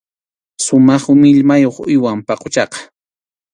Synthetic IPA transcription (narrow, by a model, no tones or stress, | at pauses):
sʊmɑχʊmɪʎmajoχʊjwampɑqot͡ʃɑqɑ̥